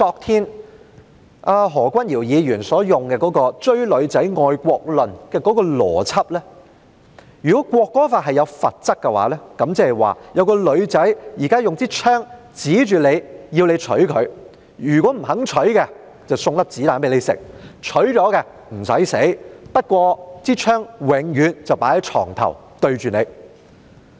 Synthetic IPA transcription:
kɔː˧k̚t̪ʰiː˥n | ʔaː˧ɦɔː˨˩kʷɐ˥njiː˨˩wjiː˨˧jyː˨˩nsɔː˨˥jʊ˨ŋkɛː˧kɔː˨˥kɔː˧t͡ʃɵ˥ɥlɵ˨˧ɥt͡sɐ˨˥jŋɔː˨jkʷɔː˧k̚lɵ˨˩nkɛː˧kɔː˨˥kɔː˧lɔ̰ː˨˩t͡sʰɐ˥p̚lɛː˥ | jyː˨˩kɔː˨˦˥kʷɔː˧kːɔː˥faː˧t̚ɦɐ˨jɐ˨˧wfɐ˨t̚t͡sɐ˥k̚kːɛ˧wa̰ː˨˥lɛː˥kɐ˨˥mt͡sɛ˧˥ɛ˨˩jwa̰ː˨˩jɐ˨˧wkɔː˧lɵ˨˧ɥt͡sɐ˨˥jjiː˨˩kaː˥jʊ˨ŋt͡siː˥t͡ʃʰœː˥ŋ | t͡siː˨˥t͡ʃyː˨ne˨˧jji˧wne˨˧jt͡ʃʰɵ˨˥ɥkʰɵ˨˧ɥ | jyː˨˩kɔː˨˥m̩˨˩ɦɐ˨˥ŋt͡ʃʰɵ˨˥ɥkɛ˧ | t͡sɐ˨wsʊ˧ŋt̪ɐ˥p̚t͡siː˨˥laː˨˥np̬e˨˥jle˨˧jsɪ̰˨k̚t͡ʃʰɵ˨˥ɥt͡ʃɔː˨˥kɛː˧ | m̩˨˩sɐ˨˥jse˨˥jpɐ˥t̚kʷɔː˧t͡siː˥t͡ʃʰœː˥ŋwɪ˨˧ŋjyː˨˧nt͡sɐ˨wpaː˨˥hɐ˨˥t͡ʃʰɔ̰ː˨˩ŋt̪ʰɐ̰˨˩w | t̪ɵ˧ɥt͡ʃyː˨ne˨˧j

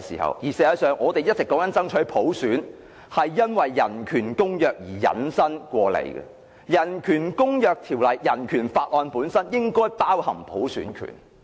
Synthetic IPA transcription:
sḭː˨˩hɐ̰˨wjiː˨˩seː˧ɐː˨˧sœː˨ŋʔɔː˨˧t̪e˨jɐ˥t̚t͡sɪ˨kːɔː˨˥ŋɐ˨˥nt͡sɐ˥ŋt͡ʃʰɵ˨˥pʰo˨˥wsyː˨˥n | hɐ˨jːɐ˥nwɐ˨jːɐ˨˩nkʰyː˨˩nkʊ˥ŋjœː˨k̚jiː˨˩jɐ̰˨˧nsɐ˥nkʷɔː˧lḛ˨˧jɡɛ̰˧ | jɐ˨˩nkʰyː˨˩nkʊ˥ŋjœː˨˧k̚t̪ʰiː˨˩wlɐ˨˩jːɐ˨˩nkʰyː˨˩nfaː˧t̚ʔɔː˨˧npuː˨˥nsɐ˥njɪ˥ŋkɔː˥jpaː˥whɐ˨˩ŋpʰo˨˥wsyː˨˥nkʰy̰ː˨˩n

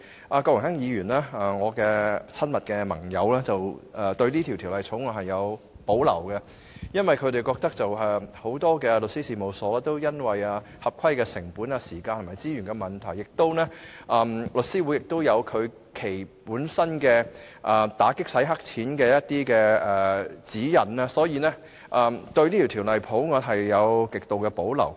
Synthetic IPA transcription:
ʔaː˨˧kɔː˧wɪ˨˩ŋhɛ˥ŋjiː˨˧ɥyː˨˩naː˥ɐ˨ŋɔː˨˧kɛː˧t͡sʰɐ˥nmɐ˨t̚kɛː˧mɐ̰˨˩ŋjɐ˨˧wlaː˥t͡sɐ˨wɐ˨t̪ɵ˧ɥniː˥t̪ʰi˨˩wt̪ʰi˨˩wlɐ˨˧jt͡sʰʊ˨˥ŋɔ˨˧hɐ˨jːɐ˨˧w | po˨˥wlɐ̰˨˩wkɐ˧ | jɐ˥nwɐ˨jkʰɵ˨˧ɥɾe˨jkɔː˧k̚t̪ɐ˥k̚t͡sɐ˨wɦɐ˨jho˨˥wt̪ɔː˥kɛː˧lɵ˨t̚siː˥siː˧mo˨˧wsɔː˨˥t̪o˥wjɐ˥nwɐ˨jaː˧ | hɐ˨p̚kʷʰɐ˥jkɛː˧sɪ˨˩ŋpuː˨˥naː˧siː˨˩kaː˧nʰo˨˩ma˨jt͡siː˥jyː˨˩nkɛː˧mɐ˨nt̪ʰɐ˨˩jːɪ˨k̚t̪o˥wnɛː˥ʔɐː˨mlɵ˨t̚siː˥wu˨˥jɪ˨k̚t̪o˥wjɐ˨˧wkʰɵ˨˧ɥ | kʰe˨˩jpuː˨˥nsɐ˥nkɛː˧ʔɐː˨˩t̪aː˨˥kɪ˥k̚sɐ˨˥jɦɐ˥k̚t͡sʰiː˨˥nkɛː˧jɐ˥t̚t̪iː˥kɛː˧ɛː˨t͡siː˨˥jɐ˨˩naː˧sɔː˨˥jiː˧nɛː˥ | ʔɐː˨mt̪ɵ˧ɥniː˥i˨˩t̪ʰiː˨˩wlɐ˨jpʰo˨˥wŋɔː˨˧t̚ɦɐ˨jːɐ˨˧wkɪ˨k̚t̪o˨wkɛ˧po˨˥wlɐ̰˨˩w

